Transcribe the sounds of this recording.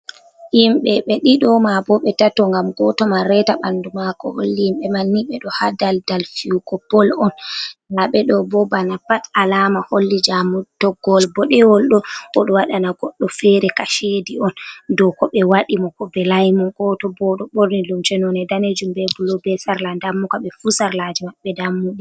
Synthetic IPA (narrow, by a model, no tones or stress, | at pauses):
imɓɛɓɛɗiɗɔmabɔɓɛtatɔŋɡamɡɔtɔmaɾɛtaɓandumakɔ̰ho̰lːiimɓɛmanːiɓɛɗɔhadaldalfiukɔpɔlɔnlaɓɛɗɔbɔbanapatalamaholːid͡ʒamud̥ɔɡɔlbɔɗɛwɔlɗɔɔɗɔwaɗanaɡɔɗːɔfɛɾɛkaʃediɔndɔkɔɓɛwaɗimɔkɔbɛlajmɔɡɔtɔbɔɗɔɓoɾnilumt͡ʃɛnɔnɛdaned͡ʒumbɛbulɔbɛsaɾlandamːukaɓɛfusaɾlad͡ʒimaɓːɛdamːuɗi